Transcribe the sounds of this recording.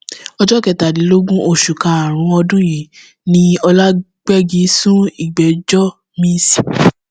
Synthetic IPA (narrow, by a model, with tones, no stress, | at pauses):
ɔ˧d͡ʒɔ˦kɛ˨ta˨di˨˦lo˦ɡũ˦ʔo˧˨ʃu˨ka˨˧a˨ɾ̃ũ˧ɔ˧dũ˦ji˨˦ | nĩ˧ɔ˧la˦ | ɡ͡bɛ˦ɡi˨˦sũ˦i˦˨ɡ͡bɛ˨d͡ʒɔ˦ | mĩ˦si˦˨